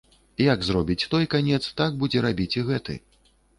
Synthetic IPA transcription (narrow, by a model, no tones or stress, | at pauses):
jaɡzrɔbʲit͡sʲt̪ɔjkanʲɛt̪st̪aɡ̚bud͡zʲɛɾabʲit͡sʲiɣɛt̪ɨ̰